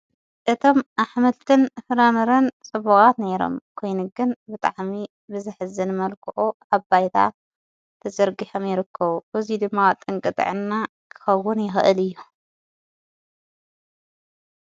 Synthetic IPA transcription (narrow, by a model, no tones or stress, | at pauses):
ʔɨt̪ʰo̞mʔaħmɐlt̪ʰɨnfɨɾamɐɾɐnt͡sʼɨβuxʼat̪neɾo̰mkʰo̞jnuɡɨnbɨt̪ʼa̰ʕmi | bɨzɨħɨzɨnɨmɐlkʰɨʔuʔaβbajt̪ʰa̰ | t̪ʰɐzɐɾɡiħomjɪɾɨkʰːɐβubɨzid̪ɨmːat̪ʼɨŋkʼɨt̪ʼɨ̰ʕɨnːa | kʰɨ̥xɐwːʊnjɪxɨʔɨlɨjːu